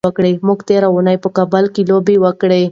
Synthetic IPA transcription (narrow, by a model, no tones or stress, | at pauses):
əkɽemuɡt̪eɾaunajpəkabəlkilobiwəkɽe